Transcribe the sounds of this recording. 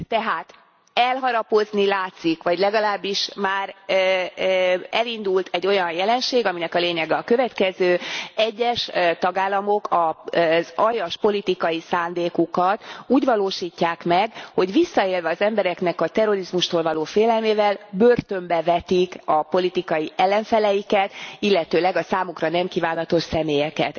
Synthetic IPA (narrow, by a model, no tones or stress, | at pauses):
t̪ɛɦaːt̪ | ɛlɦɒɾɒpo̞znilaːt̪sikʋɒɟlɛɡɒlaːbːiʃmaːr | ɛlind̪ult̪ʰɛɟːo̞jɒnjɛlɛnʃeːɡɒminɛkɒleːɲɛɡɛɒkø̞vɛt̪kɛzøːɛɟːɛʃt̪ɒɡaːlːɒmo̞kʰɒzɒjɒʃpo̞lit̪ikɒjisaːnd̪eːkukɒt̪uːɟvɒloːʃiːcːaːkmɛɡho̞ɟʋisːɒeːlvɛɒzɛmbɛɾɛknɛkɒt̪ɛro̞ɾizmuʃt̪oːlvɒloːfeːlɛlmeːvɛlbø̞rt̪ø̞mbɛvɛt̪ikɒpo̞lit̪ikɒjiʔɛlːɛɱfɛlɛjikɛt̪ilːɛt̪øːlɛɡɒsaːmukrɒnɛmkiːvaːnɒt̪o̞ʃsɛmeːjɛkɛ̰t̪